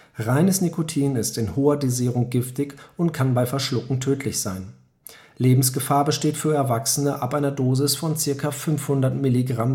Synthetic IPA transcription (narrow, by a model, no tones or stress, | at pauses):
ʁaɪnəsnikʰotʰiːnɪstɪnhoːɐdeziːʁʊŋɡɪftɪçʊntkʰanbaɪfɛɐʃlʊkŋ̩tʰøːtʰlɪçz̥aɪn | leːbm̩sɡ̥əfaːɐbəʃteːtfyːɐɛɐvaksən̩əʔapʔaɪnɐdoːzɪsfɔnt͡sɪɐkafʏnfhʊndɐtmɪliɡʁam